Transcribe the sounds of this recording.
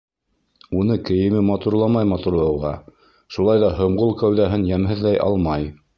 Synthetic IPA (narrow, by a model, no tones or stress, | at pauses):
unɤkɘ̆jɘ̆mɘmɑt̪uɾlˠɑmɑjmɑt̪uɾlˠɑwʁɑ | ʃulˠɑjðɑɦŏɴʁolˠkæwðæɦɘnjæmɦɘ̆ðlæjʔɑ̰lˠmɑj